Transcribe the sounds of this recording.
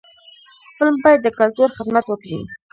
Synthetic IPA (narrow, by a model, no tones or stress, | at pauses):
xpəlmbɑjad̪ːəkalt̪uɾxɪd̪mat̪wəkɽḭ